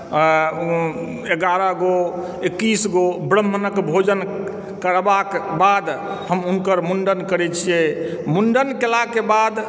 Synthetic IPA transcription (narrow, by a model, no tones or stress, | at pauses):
eɡaɾəɡo | ekːisɡobɾəmbʱənəkbʱod͡ʒən | kəɾbakbad̪ | həmunkəɾmunɖənkəɾɛt͡ʃʰijɛmuɳɖənkelakebad̪